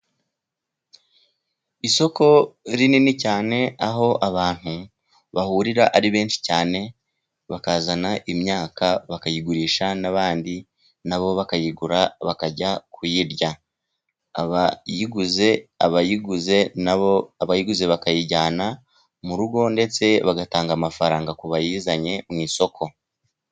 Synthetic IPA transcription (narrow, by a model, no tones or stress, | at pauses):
iso̞ko̞ɾininicaːne̞aɦo̞ʔaβaːn̥hu | βahuːɾiɾaʔaɾiβe̞ːnʃi̥caːne̞ | βakazanaʔimɲaːkaβakajiɡuɾiːʃanaβaːndi | naβo̞βakajiɡuɾaβakaɟakʰujiɾɟa | aβajiɡuze̞aβajiɡuze̞ | aβajiɡuze̞βakajiɟaːna | muɾuɡo̞nde̞t͡se̞βaɡataːŋɡamafaɾaːŋɡakuβajiːzaɲe̞mŋiːso̞kʰo̞